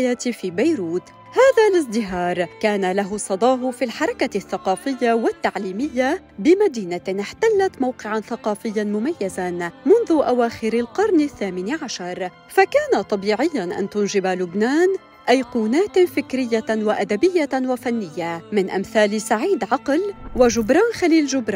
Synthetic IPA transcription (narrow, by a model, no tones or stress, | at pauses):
jaːt̪fiːbajɾuːt̪ | haːðalɪs̬d̪ɪɦɑːɾˤkaːnalaɦʊsˤɑd̪ˤɑːɦʊfilħɑɾˤɑkaθːɑqɑːfɪjːawat̪ːaʕliːmɪjːa | bɪmad̪iːnaɪħt̪alːat̪mawqɪʕanθaqɑːfɪjːanmʊmajːazanmʊnðʊʔawaːxɪɾalqɑɾˤnɪθːaːmɪniʕaʃɑɾˤ | fakaːnat̪ˤɑbiːʕɪjːanʔa̰nt̪ʊnʒɪbalʊbnaːn | ʔajquːnaːt̪fɪkɾɪjːawaʔad̪abɪjːawafanːɪjːamɪnʔamθaːlsaʕiːd̪ʕɑqlwaʒʊbɾˤaːnxaliːlʒʊbɾˤ